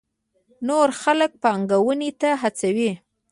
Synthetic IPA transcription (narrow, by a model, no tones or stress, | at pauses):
noɾxalək̚paŋɡawənit̪aɦat͡sawi